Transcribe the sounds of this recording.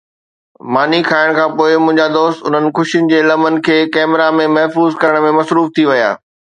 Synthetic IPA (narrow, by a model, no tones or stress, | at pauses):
maːnikʰaːɪɽ̃kʰãːpoːɪmʊ̃ɦɪ̃ɲd͡ʑad̪oːst̪ʊn̤ənɪ̆kʊʃiʊnɪ̆d͡ʑeːlɐmənɪ̆kʰeːkɛːmɪɾamẽmɐɦfuːzkɐɾəɽ̃mẽmɐsɾuːft̪ʰiʋɐja̰ː